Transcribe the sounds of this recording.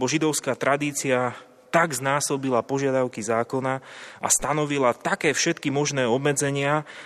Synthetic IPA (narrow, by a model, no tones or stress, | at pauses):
bɔʒid̪ɔʊskaːt̪ɾad̪iːt͡sia | t̪aɡznaːsɔbilapɔʒɪad̪aʊkizaːkɔnaʔa̰st̪anɔʋilat̪akɛːfʃɛt̪kimɔʒnɛːɔbmɛd͡zɛɲɪa